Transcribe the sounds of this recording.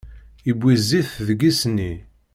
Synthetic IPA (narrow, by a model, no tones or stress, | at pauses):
ibʷːizːiθðəɡisnːi